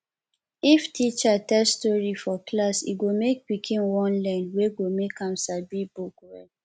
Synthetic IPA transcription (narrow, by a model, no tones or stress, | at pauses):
iftʰit͡ʃatɛlstɔɹifɔklasḭɡomek̚pikʰĩnwɔ̃nlãnweɡomekãmsabibukwɛ̰